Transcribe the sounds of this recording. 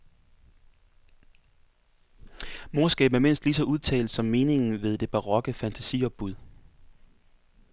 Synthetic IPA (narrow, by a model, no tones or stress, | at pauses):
mo̝ɐsɡ̥ɛ̰ːb̩æɐme̝n̰sd̥lis̬ɒ̽ʔuð̞ˠt͡sʰɛ̰ːld̥sɒ̽mːe̝ːne̝ŋn̩ʋe̝ð̞ˠd̥e̝b̥ɑ̈ʁɒ̽ɡ̥əfænt͡sʰæsiɒ̽b̥ːuð̞ˠ